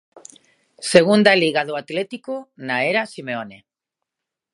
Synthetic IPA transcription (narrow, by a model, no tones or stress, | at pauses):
seɣund̪aliɣaðoat̪let̪ikonaeɾasimeone